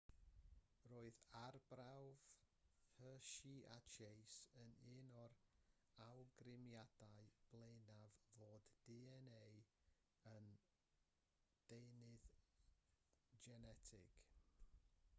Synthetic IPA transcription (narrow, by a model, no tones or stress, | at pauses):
roːɨðarbrawv̥ | həːʃiʔat͡ʃʰejsənɪːnɔɾ | awɡrɪmjad̥aɨb̥lˠenavvoːdːiɛnej | ən | d̥enɨð | d͡ʒɛnɛtʰɪ̰ɡ̥